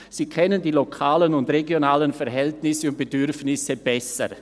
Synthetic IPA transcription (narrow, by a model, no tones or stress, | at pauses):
z̥iːkʰɛnəndiːlokʰaːlənʊndʁeɡjonaːlənfɛɾɦɛltnɪsəʊnt̚b̥edʏɾfnɪsəb̥ɛsə̰